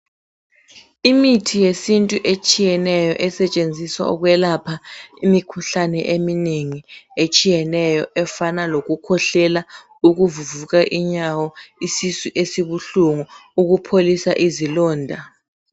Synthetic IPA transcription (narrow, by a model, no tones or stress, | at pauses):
imitʰijesintʼuʔet͡ʃʼijɛnɛjɔ̰ʔɛsɛt͡ʃʼend͡zʱiswa̰ɔk̬wɛlapʰaimikʰuɬanɛʔemineŋiet͡ʃʼijɛnɛjɔʔɛfanalok̬ukʰɔɬɛla | uk̬uvuvuk̬aʔiɲawɔisisuʔesiɓuɬuŋuuk̬upʰolisaʔizilɔːndʱa